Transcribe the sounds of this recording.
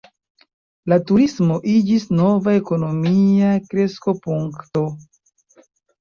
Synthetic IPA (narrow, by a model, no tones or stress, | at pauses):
latuɾismo̞ʔid͡ʒisno̞vae̞ko̞no̞miakɾe̞sko̞puŋkto̞